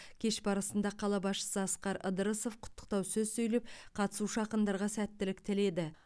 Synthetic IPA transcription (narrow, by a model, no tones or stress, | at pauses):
kʲʰe̞ʃbɑɾəsənd̪ɑqʰɑlˠɑbɑsʃə̥səɑsqɑɾə̰d̪əɾəso̞fqʰʊ̥t̪ːə̥q̚t̪ɑwsɵzsɵjlep̚qʰɑt̪ə̥suʃɑqənd̪ɑɾʁɑsæt̪ːɪlɪk̚t̪ʰɪle̞d̪ɪ